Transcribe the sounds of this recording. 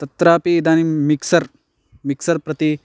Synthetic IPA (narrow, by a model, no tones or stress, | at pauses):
t̪ɐt̪ɾaːpiːd̪aːnimiksɐɾ | miksɐɾpɾɐt̪i